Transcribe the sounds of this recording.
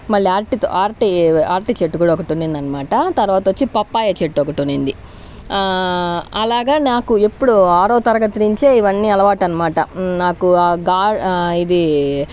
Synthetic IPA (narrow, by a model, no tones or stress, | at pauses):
mɐɭːiaːɾʈit̪o̰ʔaːɾʈiaːɾʈit͡ʃeʈːuɡuːɽaɐɔkɐʈunːind̪ɐnɐmaːʈɐt̪ɐɾuʋaːt̪ɐʋot͡ʃːipɐpːaːjɐt͡ʃeʈːɔkɐʈunind̪i | ɐlaːɡaːnaːkuepːuɽuaːɾoːt̪ɐɾɐɡɐt̪iɾiɲt͡ʃe̞ːiʋɐnːiːɐlɐʋaːʈɐnɐmaːʈɐ̰naːkuɡaːid̪i